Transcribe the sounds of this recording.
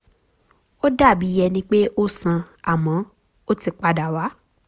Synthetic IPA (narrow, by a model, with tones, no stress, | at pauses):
o˦da˦˨bi˨˦jɛ˧nĩ˦k͡pe˦ʔo˦sã˧ | a˨mã˨˦ | o˦ti˧k͡pa˧da˨wa˨˦